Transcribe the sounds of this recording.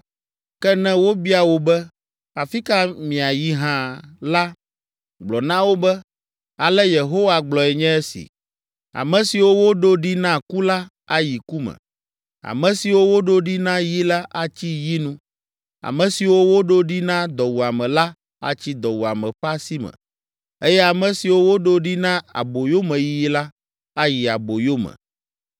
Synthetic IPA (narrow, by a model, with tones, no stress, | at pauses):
kɛ˦nɛ̃˦wo˦bi˦a˨wo˦bɛ˦ | a˨fi˦ka˦mĩ˨a˨ji˦ɦã˦la˦ | ɡ͡blɔ˨nã˦wo˦bɛ˦ | a˨lɛ˦je˨ɦo˦wa˨ɡ͡blɔ˨ɛ˨ɲɛ̃˦ɛ˦sḭ˨ | a̰˨mɛ̃˨si˨wo˦wo˦ɖo˦ɖi˦nã˦˨ku˦la˦ | a˨ji˨ku˦mɛ̰̃˨ | a̰˨mɛ̃˨si˨wo˦wo˦ɖo˦ɖi˦nã˦ji˦la˦ʔa˦t͡ɕi˦ji˦nũ˦ | a̰˨mɛ̃˨si˨wo˦wo˦ɖo˦ɖi˦nã˦d̪ɔ˨wu˨a˨mɛ̃˨la˦ | a̰˨t͡ɕi˦d̪ɔ˨wu˨a˨mɛ̃˨ɸa˦si˦mɛ̰̃˨ | e˦jɛ˦a˨mɛ̃˨si˨wo˦wo˦ɖo˦ɖi˦nã˦a̰˨bo˨jo˦mɛ̃˨ji˦ji˦la˦ | a˦ji˨a˨bo˨jo˦mɛ̰̃˨